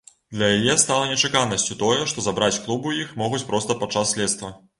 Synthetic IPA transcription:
d̪lʲɐjajɛst̪alˠɐnʲɛt͡ʂɨkanɐsʲt͡sʲut̪ɔjɛʂt̪ɔzabɾat͡sʲklˠubujixmɔɣut͡sʲpɾɔst̪ɐpat͡ʂːasːʲlʲɛt̪st̪vɐ

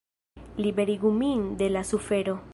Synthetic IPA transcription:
libe̞ɾiɡumind̪e̞lasufe̞ɾo

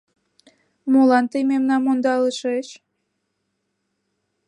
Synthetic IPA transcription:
molɑnt̪əjmemnɑmːond̪ɑləʃeʃ

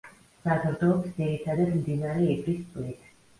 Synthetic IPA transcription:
sazɾd̪ɔpsd̪ziɾit̪ʰad̪ad̪md̪inaɾɛɛbɾispʼlit̪ʰ

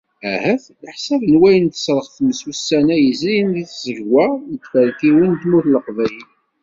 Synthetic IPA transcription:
æhæθləħsævnwæjənt̪ə̥sɾˤəχθməsusːænæjəzɾinðiθzəʝwænt̪fæɾkiwint̪muθləqvæjəl

